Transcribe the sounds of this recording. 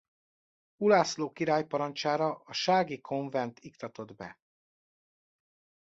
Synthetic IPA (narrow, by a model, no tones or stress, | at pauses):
ulaːsloːkiɾaːjpɒɾɒnt͡ʃaːɾɒʔɒʃaːɡikʰo̞ɱvɛnt̪ʰikt̪ɒt̪o̞d̪bɛ̰